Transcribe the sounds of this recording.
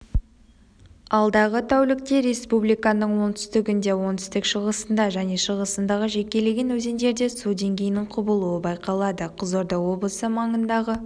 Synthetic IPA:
ɑlˠd̪ɑʁət̪ʰæwlɪk̚t̪e̞ɾe̞spublijkɑnəɴwo̞nt̪ʰʏ̥st̪ɪɡʲɪnd̪e̞wo̞nt̪ʰʏ̥st̪ɪkʃəʁəsənd̪ɑʒæne̞ʃəʁəsənd̪ɑʁəʒe̞kʲe̞leɡʲenwɵze̞nd̪e̞ɾd̪e̞sud̪e̞ŋɡʲe̞jɪnɪŋqʰʊbəlˠuwəbɑjqɑlˠɑd̪əqʰəzoɾd̪əwo̞blˠəsəmɑɴənd̪ɑʁə

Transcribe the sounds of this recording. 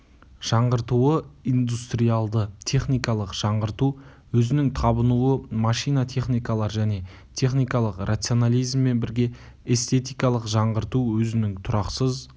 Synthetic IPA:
ʒ̥ɑɴʁəɾt̪uwəind̪ust̪rijalˠd̪ət̪ʲʰe̞χnijkɑlˠəqʒ̥ɑɴʁəɾt̪u | wɵzɪnɪŋt̪ʰɑbənuwəmɑʃijnat̪ʰe̞χnijkɑlˠɑɾʒæne̞ | t̪ʲʰe̞χnijkɑlˠəqrʔat̪sio̞nalʲijzmːe̞nbɪɾɡʲe̞ | est̪e̞t̪ijkɑlˠəqʒɑɴʁəɾt̪uwɵzɪnɪŋt̪ʰʊɾɑqsəz

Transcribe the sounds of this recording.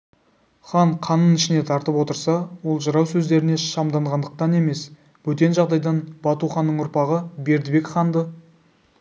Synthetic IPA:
χɑɴqʰɑnːənɪʃɪne̞t̪ʰɑɾt̪əpwo̞t̪əɾsɑwo̞lˠʒəɾɑwsɵzd̪e̞ɾɪne̞ʃɑmd̪ɑɴʁɑnd̪əq̚t̪ɑne̞me̞s | wɵt̪e̞nʒɑʁd̪ɑjd̪ɑnbɑt̪uχɑnːəɴʊɾpɑʁəbe̞ɾd̪ɪbe̞kχɑnd̪ə

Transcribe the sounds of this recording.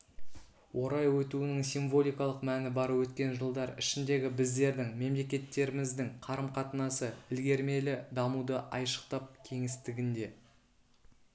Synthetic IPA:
wʔo̞ɾɑjwɵt̪uɪnɪŋsiɱvo̞lʲijkɑlˠəqmænɪbɑɾwɵt̪kʲe̞nʒəlˠd̪ɑɾɪʃɪnd̪e̞ɡʲɪbɪzd̪e̞ɾd̪ɪŋme̞mle̞kʲe̞t̪ːe̞ɾɪmɪzd̪ɪŋqʰɑɾəmqʰɑt̪ənɑsəɪlɡʲe̞ɾme̞lɪd̪ɑmud̪əʔɑjʃə̥qt̪ɑp̚kʲʰe̞ŋɪst̪ɪɡʲɪnd̪e̞

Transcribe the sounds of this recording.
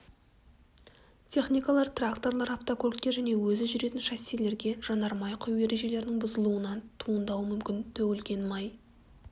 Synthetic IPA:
t̪ʲʰe̞χnijkɑlˠɑɾt̪rakt̪o̞rlˠɑɾaft̪okʰolt̪̚kʲːe̞ʒæne̞wɵzɪʒʏɾe̞t̪ɪnʃæselːe̞ɾɡʲe̞ʒ̥ɑnɑɾmɑjqʰʊjje̞ɾe̞ʒe̞le̞ɾɪnɪŋbʊzəlˠuənɑnt̪ʰuənd̪ɑwəmʏmkʲɪnt̪ʰɵɡʲɪlɡʲe̞nmɑj

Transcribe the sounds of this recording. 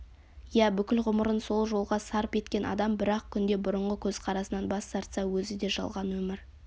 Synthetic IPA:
jæbʏkʲɪlʁʊməɾənso̞lˠʒo̞lˠʁɑsɑɾpe̞t̪kʲe̞nɑ̰d̪ɑmbɪɾɑq̚kʲʰʏnd̪e̞bʊɾəɴʁəkʲʰɵzqʰɑɾɑsənɑnbɑsːɑɾt̪sɑwɵzɪd̪e̞ʒɑ̰lˠʁɑnwɵmɪɾ

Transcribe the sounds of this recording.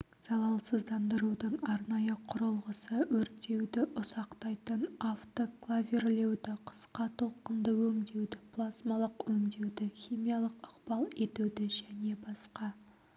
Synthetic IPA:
z̥ɑlˠɑlˠsəzd̪ɑnd̪əɾud̪əɴɑɾnɑjəqʰʊɾəlˠʁəsəwɵɾt̪ːe̞wd̪ɪʔʊsɑqt̪ɑjt̪ənaft̪oklˠavʲerle̞wd̪ɪqʰə̥sqɑt̪ʰo̞lˠqənd̪əwɵŋd̪e̞wd̪ɪpʰlˠasmɑlˠəqwɵŋd̪e̞wd̪ɪxʲimijalˠəqəqb̥ɑlˠe̞t̪ud̪ɪʒæne̞bɑsqɑ

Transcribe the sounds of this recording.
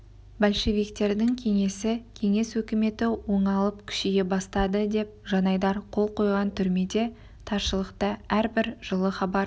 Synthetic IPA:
bɑlʃe̞vijkt̪e̞ɾd̪ɪŋkʲʰe̞ŋe̞sɪkʲʰe̞ŋe̞swɵkʲɪme̞t̪ɪwo̞ɴɑlˠəp̚kʲʰʏ̥ʃejebɑst̪ɑd̪əd̪e̞p̚ʒɑnɑjd̪ɑɾqʰo̞lˠqʰo̞jʁɑnt̪ʰʏɾme̞d̪e̞ | t̪ʰɑɾʃəlˠəqt̪əæɾbɪɾʒ̥əlˠəχɑbɑɾ

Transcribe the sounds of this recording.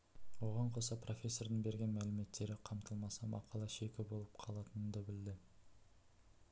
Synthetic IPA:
wo̞ʁɑɴqʰo̞sɑpro̞fʲe̞sːo̞rd̪əɴbe̞ɾɡʲe̞nmælɪme̞t̪ʰːe̞ɾɪqʰɑmt̪əlˠmɑsɑmʔɑ̰qʰɑlˠɑʃe̞kʲɪbo̞lˠəp̚qʰɑlˠɑt̪ənənd̪ɑbɪld̪ɪ

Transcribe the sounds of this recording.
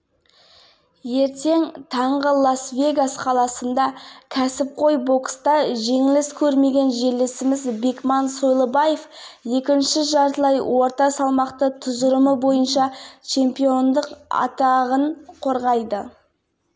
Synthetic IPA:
je̞ɾt̪e̞ŋt̪ʰɑɴʁəlˠasvʲe̞ɡasqʰɑlˠɑsənd̪ɑkʲʰæsɪp̚qʰo̞jbo̞kst̪ɑʒe̞ŋɪlɪskʲʰɵɾme̞ɡʲe̞nʒe̞lːesɪmɪzbe̞kmɑnso̞jlˠəbɑje̞fje̞kʲɪnʃɪʒɑɾt̪əlˠɑjwo̞ɾt̪ɑsɑlˠmɑqt̪ət̪ʰʊzəɾəməbo̞jənʃɑt͡ʃʰe̞mpijo̞nd̪əqɑ̰t̪ɑʁəɴqʰo̞ɾʁɑjd̪ə

